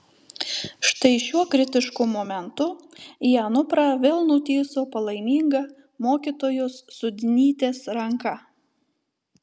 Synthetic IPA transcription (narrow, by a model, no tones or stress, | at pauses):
ʃt̪ɐɪʃʲuɔkɾʲɪt̪ʲɪʃkʊmɔmʲɛnt̪ʊjæːnʊpɾɑːʋʲeːlˠnʊt̪ʲiːsoːpɐlˠɐɪmʲiːŋɡɐ | moːkʲiːt̪oːjʊsːʊd̪ʲnʲiːt̪ʲeːsɾɐŋkɐ